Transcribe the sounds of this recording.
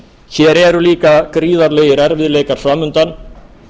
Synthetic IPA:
çɛːɾeɛɾuliːkakɾiːðaɾlejɾaɾʋɪðleːkaɾ̥svaːmʏnt̪an

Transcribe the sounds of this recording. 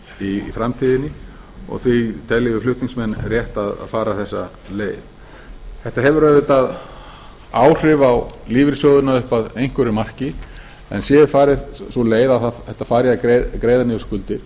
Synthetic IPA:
ifɾamt̪ʰiːðɪnːɪ | ɔ̰ɣθit̪ʰɛlːɪvʏflʏht̪niŋsmɛnːrjɛht̪aða̰ðfaːɾaθɛsːa̰ | leːjð | θɛht̪aɦɛvʏɾœːðʏt̪að | aːwr̥ɪvawliːvɪɾsjowðʏnaʏhpaðejŋ̥kvʏɾʏmar̥cɪ | ɛ̰nsjɛfaːɾɪðsɔleːjðaðθaθɛht̪ːafaːɾjakɾekɾeːjðanɪʏskʏlt̪ɪɾ̥

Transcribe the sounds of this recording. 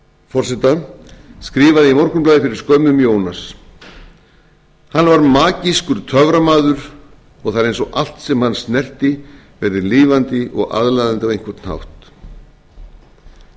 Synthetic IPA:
fɔr̥sɛt̪askɾɪːvaðɪimɔr̥kʏmplajðɪfɪɾɪɾ̥skœːmʏmjoːwnas | hanːvaɾmaːciskʏɾ̥t̪ʰœvɾamaːðʏɾ | ɔɣθaðɾejnsɔal̥t̪sɛmhanːsnɛr̥t̪ɪ | vɛɾðɪliːvant̪ɪʔɔ̰ɣa̰ðlajðant̪avejŋ̥kʰvɛɾt̪nha̰wht̪

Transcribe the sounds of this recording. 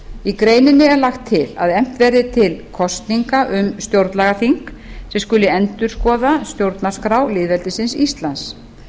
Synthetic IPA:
ikɾeːjnɪnːɪɛɾlaxt̪ʰːɪla̰ðɛm̥t̪vɛɾðɪt̪ʰɪlkʰɔst̪niŋkaʔʏmst̪jowɾt̪nlaɣaθiŋk | sɛmskʏlːɪɛnt̪ʏɾ̥skɔːðast̪jowɾt̪nḁskɾawlɪːðvɛlt̪ɪsɪnsist̪lans

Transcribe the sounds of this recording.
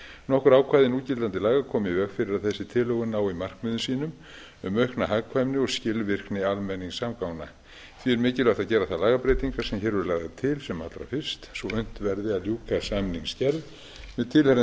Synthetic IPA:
nɔhkʏɾaːwkʰvaːjðɪnuːcɪlt̪ant̪ɪlaːɣakʰɔːmɪvɛkfɪɾɪɾaðθɛsːɪt̪ʰɪlœɣʏnaːwimar̥kmʏðʏnsiːnʏm | ʏmœhknaɦaɣkʰvajmnɪɔɣscɪlvɪr̥knɪalmɛnːiŋsaːmkaːwna | θviɛɾmɪːcɪlœht̪aðcɛːɾaθaðlaːɣapɾɛjt̪iŋkasɛmçɛːɾvʏɾlaːɣðat̪ʰɪlsɛma̰t̪ɾa̰fɪr̥st̪svɔʏn̥t̪vɛɾðɪaðljuːkasamniŋscɛɾð | mɛðt̪ʰɪlhɛɾ

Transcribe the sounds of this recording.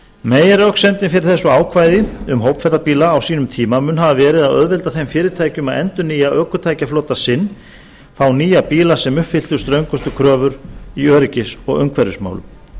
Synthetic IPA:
meːjaɾœksɛnt̪ɪnfɪɾɪɾ̥θɛsːʏaːwkʰvajðɪʏmɦowpfɛɾt̪apiːlaːwsiːnʏmt̪ʰiːmamʏnhavavɛːɾɪðaðœ̰ðvɛlt̪aθemfɪːɾɪɾt̪ʰaːjcʏmaðɛnt̪ʏniːjaʔœːkʏ̥t̪ʰaːjcafloːt̪asɪnː | fawniːjapiːlasɛmʏhpfɪl̥t̪ʏst̪ɾœɥŋkʏst̪ʏkʰɾœːvʏɾiœːɾɪcɪsɔɣœŋkʰvɛɾʏsma̰wlʏ̰m

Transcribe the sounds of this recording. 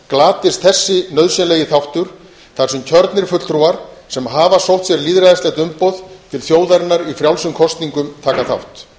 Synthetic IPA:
klaːt̪ɪst̪̚θɛsːɪnœðsjɛnleːjɪθawht̪ʏɾ̥ | θarsʏmcʰœɾt̪nɪɾ̥fʏt̪t̪ɾuaɾsɛmɦaːvasowht̪sjɛɾliːðɾaðɪsɛht̪ʏmpowðt̪ʰɪlθjoːwðaɾɪnːaɾifɾjawlsʏmkʰɔst̪niŋkʏmt̪ʰaːkaθa̰wht̪

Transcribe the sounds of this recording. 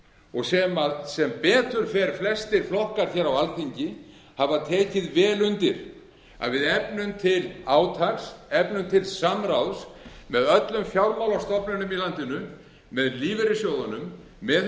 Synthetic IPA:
ɔɣsɛmaðsɛmpɛːt̪ʏɾ̥fɛɾflɛst̪ɪɾ̥flɔhkaɾ̥çɛːɾawalθiɲcɪ | havat̪ʰɛːcɪðvɛːlʏnt̪ɪɾ̥ | a̰ðvɪðɛpnʏmt̪ʰɪlaːwt̪ʰaksɛpnʏmt̪ʰɪlsamɾawsmɛðœt̪lʏmfjawlmawlawst̪ɔpnʏnʏmilant̪ɪnʏ | mɛðliːvɪɾɪsjowðanʏmː | ɛð

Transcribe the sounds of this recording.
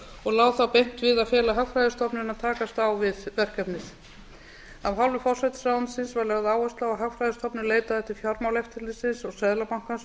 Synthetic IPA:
ɔɣlaːwθawpejn̥t̪vɪðaðfjɛːlaɦakfɾajðɪst̪ʰɔpnɪnaðt̪ʰaːkast̪awvɪðvɛr̥kɛpnɪθ | avɦawlvɪfɔr̥sajt̪sawnsɪnsvaɾlɛɣaðaːwɛst̪lawaɦakfɾajðɪst̪ʰɔpnɪleːjt̪aðɛht̪ɪɾ̥fjɔɾmawlɛft̪ʰɪlɪsɪnsɔɣsɛðlapawŋ̥kans

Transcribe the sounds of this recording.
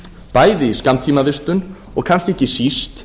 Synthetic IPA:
paːjðɪiskamt̪ʰiːmavɪst̪ʏn | ɔɣkʰanscɛhcɪsist̪

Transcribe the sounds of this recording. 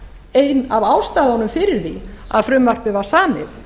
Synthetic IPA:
ejnavaːwst̪aːðaɔnʏmfɪɾɪɾθia̰ðfɾʏmvar̥pɪvaɾ̥saːmɪð

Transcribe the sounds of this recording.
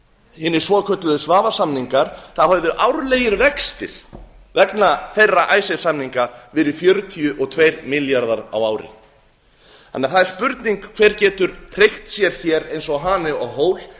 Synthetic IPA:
hɪːnːɪɾ̥svɔːkʰœt̪lʏðʏsvaːvasamniŋkaɾ̥θaðɦœðʏʔawɾleːjɪɾvɛkst̪ɪ̰ɾ̥ | vɛknaθɛrːaʔaːjsɛ̥samniŋkavɪɾɪfjœɾʏt̪ʰiʏʔɔɣt̪ʰvejɾmɪljaɾðaɾa̰waːwɾɪ̰ | anːaθaðɛɾ̥spʏɾt̪niŋkkʰv̥ɛːɾcɛːt̪ʏɾr̥ejht̪sjɛɾ̥θjɛɾejnsɔɦaːnɪɔɣɦoːwl

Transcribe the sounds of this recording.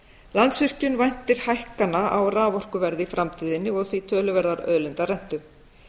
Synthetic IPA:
lant̪sʏr̥cʏnvajn̥t̪ɪɾ̥hajhkanaawraːvɔr̥kʏvɛɾðɪfɾʔamt̪ʰiːðɪnːɪɔɣθvit̪ʰœːlʏvɛɾðaɾœ̰ðlɪnt̪arɛn̥t̪ʏ

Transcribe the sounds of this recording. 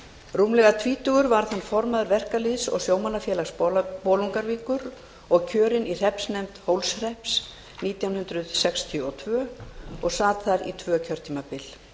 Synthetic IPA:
ruːmlɛɣat̪ʰviːt̪ʏɣʏɾvaɾ̥θanːfɔɾmaðʏɾvɛr̥kaliðsɔ̰ɣsjoːwmanafjɛːlaxsppoːluŋkaɾviːkʏɾ | ɔɣcʰœːɾɪnir̥ɛhpsnejmt̪howlsr̥ɛhps | niːt̪jawnhʏnt̪ɾʏðsɛkst̪ʰjʏɔt̪ʰvœːɔɣsaːt̪θaɾḭt̪ʰvœːcʰœɾ̥t̪ʰiːmapɪl

